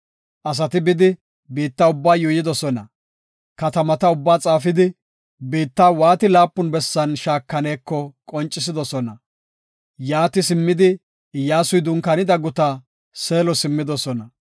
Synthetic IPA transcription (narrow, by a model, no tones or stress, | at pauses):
ʔɐs̬ɐt̪ɪbɪd̪ɪ | biːt̪ːaːʊbːaːjʊjɪd̪ɔsɔnɐ | kɐt̪ɐmɐt̪ɐʊbːaːt͡sʼaːfɪd̪ɪ | biːt̪ːaːwaːt̪ɪlaːpːʊnbɛsːɐnʃaːkːɐneːkːɔkʼɔnt͡ʃʼːɪs̬ɪd̪ɔsɔnɐ | jaːt̪ɪsɪmːɪd̪ɪ | jaːsʊjd̪ʊŋkɐnɪd̪ɐɡʊt̪aː | seːlɔsɪmːɪd̪ɔsɔnɐ